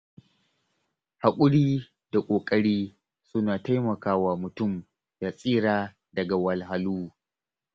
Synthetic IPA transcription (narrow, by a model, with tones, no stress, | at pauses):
ha˨kʷʼʊ˦ɽiː˦ | d̥a˨kʷʼoː˨kʼɐ˦ɽiː˦ | sʊ˦naː˨ta˦jmɐ˨kaː˦waː˨mʊ˨tʊ˦˨m | da˨sʼiː˦ɾaː˨ | dɐ˨ɡa˨wɐ˨lɦa˨luː˦